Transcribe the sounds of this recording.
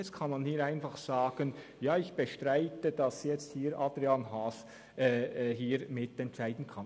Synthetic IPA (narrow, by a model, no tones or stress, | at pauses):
ɛt͡sstkʰɑnmanhiːɾaɪnfɑχsaːɡ̥ən | jaːɪçb̥əʃtʁaɪtəd̥ɑsjɛt͡st̚hiːɾʔɑːd̥ɾianɦaːs | ʔɛɦiːɾmɪtɛntt͡ʃaɪdn̩kʰɑn